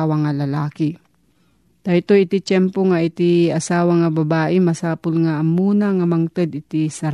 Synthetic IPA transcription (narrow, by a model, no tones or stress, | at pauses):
wɐŋɐlɐlaːkɪ | d̪̥ɐt̪oʔɪt̪it͡ʃɛmpoŋɐʔɪt̪iɐsaːwɐŋɐbɐbaːʔɪmɐsaːpʊlŋaʔɐmːuːnɐŋɐmɐŋt̪ɐd̪ɪt̪isɐɾ